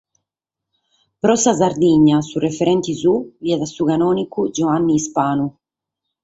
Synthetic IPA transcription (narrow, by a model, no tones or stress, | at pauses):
pɾɔsazaɾd̪iɲːasurefɛɾɛnt̪izuviɛðasukanɔːnikud͡ʒɔanːiːspaːnu